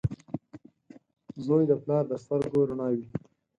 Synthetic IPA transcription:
zoːjd̪əplɑːɾd̪əst̪əɾɡoɾaɳɑːwi

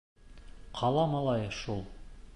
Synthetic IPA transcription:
qʰɑlˠɑmɑlˠɑjʃulˠ

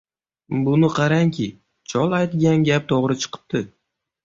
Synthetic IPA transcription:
bʊnɪqʰɑɾaŋkʲʰɪ | t͡ʃʰɒlˠajt̪ɡʲanɡʲap̚t̪ʰoʁɾɪt͡ʃʰɨ̥qʰɨ̥p̚t̪ɪ

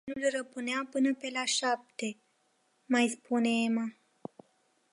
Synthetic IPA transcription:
nulrəpɨneapɨnəpe̞laʃap̚t̪e | majspuneema

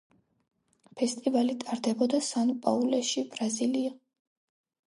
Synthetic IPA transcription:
pʰɛst̪ʼivalit̪ʼaɾd̪ɛbɔd̪asanpʼaulɛʃibɾazilia

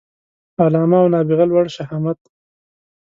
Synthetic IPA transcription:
alɑːmawnɑːbiɣalwaɽʃaɦamat̪

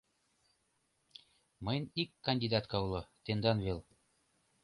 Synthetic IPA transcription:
mɤjnikːɐnʲd̪ʲid̪ɑt̪kɑulˠɤ̆t̪end̪ɑnβel

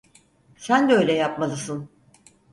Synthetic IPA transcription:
sænd̪ɛø̞jlʲɛjapmalˠɯsɯn

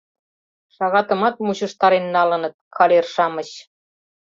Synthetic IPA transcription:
ʃɑɣɑt̪ɤ̆mɑt̪̚muɕɤ̆ʃt̪ɑɾenːɑlɤ̆nɤ̆t̪̚kʰɑlerʃɑmə̆ɕ

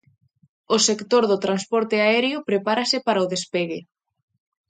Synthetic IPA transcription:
ʊsekt̪oɾðʊt̪ɾanspɔɾt̪eaɛɾjʊpɾepaɾasɪpaɾɐʊðespeɣe

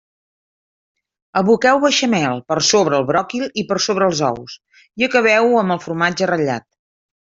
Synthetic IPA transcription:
əβukɛwβəʃəmɛlˠpəɾsoβɾəːlˠβɾɔkilipərsoβɾəːlˠzɔ̰ws | iəkəβ̞ɛwəmbəlˠfuɾumad͡ʒərəʎa̰t̪̚

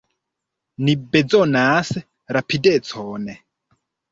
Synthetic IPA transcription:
nibɛd͡zɔnaːsɛ | ɾapʰidɛt͡sʰɔːnɛ

